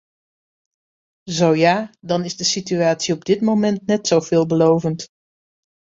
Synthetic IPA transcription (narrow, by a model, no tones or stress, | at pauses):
zowjaːdɑnɪzdəsityaːtsiɔb̚dɪtmowmɛntnɛtsowv̥ɪːlˠbəlowvənt